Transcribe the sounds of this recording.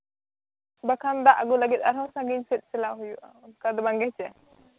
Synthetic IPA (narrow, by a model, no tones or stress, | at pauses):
bakʰand̪aʔaɡɔlaɡit̪̚aɾɦɔ̃sãɡiɲsɛt̪̚ˀsɛlaʔɦujuʔaɔnkad̪ɔbaŋɡɛht͡ʃɛ